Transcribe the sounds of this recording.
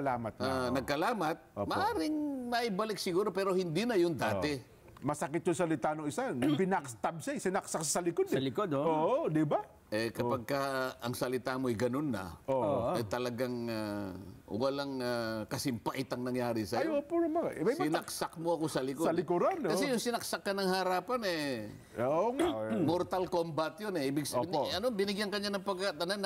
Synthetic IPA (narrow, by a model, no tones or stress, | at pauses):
ɐlaːmɐt̪̚anɐɡ̚kɐlaːmɐt̪̚omɐʔaːɾɪŋnɐʔɪbɐlɪk̚sɪɡuːɾopɛːɾohɪnd̪inɐjʊnd̪aːɛ | mɐsɐkɪt̪̚jʊnsɐlɪt̪aːnoʔɪsanpɪnakst̪ɐb̚sɐɪsɪnɐksakssɐlɪkod̪lɪkod̪oːʔod̪ɪba | ʔɛkɐpɐɡ̚kaɐŋsɐlɪt̪aːmoɐjɡɐnonːɐ̰ʔoːʔoɐjt̪ɐlɐɡaŋa̰ | walɐŋakɐsɪmpaʔɪt̪ɐŋnɐŋjaːɾisɐjopuɾɐmɐamajsɪnɐksak̚moɐkosɐlɪkosɐlɪkoɾankɐsɛjʊŋsɪnɐk̚sakːɐnɐŋhaɾaːpanɛ | oŋmoɾt̪alkombat̪jonɛibɪɡsɐnɐnobɪnɪɡjaŋkɐɲːanɐŋpɐɡat̪ɐnan